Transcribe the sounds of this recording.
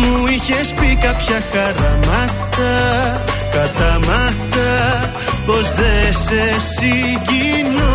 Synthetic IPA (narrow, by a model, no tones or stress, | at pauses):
mʊiçespikapçaxaɾamat̪a | kat̪amat̪a | posðesesi | ʝino